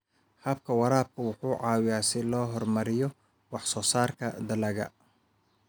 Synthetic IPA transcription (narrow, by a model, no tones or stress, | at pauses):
hɐb̚kʰɐwɑɾaːb̚kʰʊwʊħuːʕɑːwɪjaːsɪlɔːɦɔrmɐɾɪjɔ | wɑħsɔːsaːrkʰɐd̪ɐlɐɣɐ̰